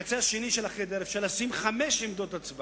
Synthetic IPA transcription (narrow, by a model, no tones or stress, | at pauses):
t͡seaʃeniʃelaχed̪eʁefʃaʁleasimχameʃimd̪o̞t̪at͡sb